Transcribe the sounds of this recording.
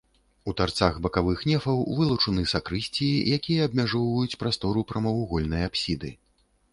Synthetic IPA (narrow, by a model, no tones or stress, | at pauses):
ut̪art̪saxbɐkavɨxnʲɛfɐwvɨlˠut͡ʂɨnɨsakɾɨsʲt͡sʲiijakʲijɐɐbmʲaʐɔwvɐjut͡sʲpɾast̪ɔɾupɾɐmɐwuɣɔlʲnɐjapsʲid̪ɨ